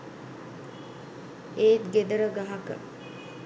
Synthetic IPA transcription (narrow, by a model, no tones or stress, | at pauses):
eːt̪ɡed̪əɾəɡaɦakə̰